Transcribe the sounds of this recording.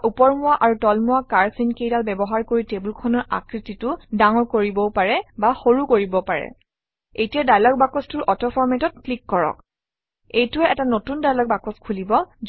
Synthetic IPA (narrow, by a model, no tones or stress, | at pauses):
ʔupɔɹmʊwaʔaɹutɔlmʊwakaɹsinkejdalbɛbɔɦaɹkoɹitebulkʰɔnɔɹa̰kɹititʊdaŋɔɹkoɹibɔpaɹɛbaxoɹukoɹibɔpaɹɛ̰ | ejtijadajlɔk̚bakɔstʊɹʔɔtɔpʰɔɹmɛtɔt̚klikːɔɹɔ̰k̚ | ejtuɛɛtanotundajlɔk̚bakɔskʰulibɔz